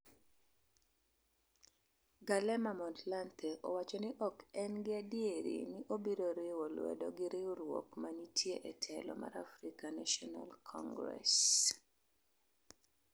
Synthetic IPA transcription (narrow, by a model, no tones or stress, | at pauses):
ɡalɛmamɔtlantʰɛʔɔwat͡ʃɔnɪʔɔkɛnɡɪadieɾḭnɪʔobiɾoɾewolwɛ̰dɔɡɪɾɪoɾwo̰kmanitʰjeʔɛtʰɛlɔ̰ma̰ɾa̰fɾikanaʃɔna̰lkʰɔ̰ŋɡɾɛ̰s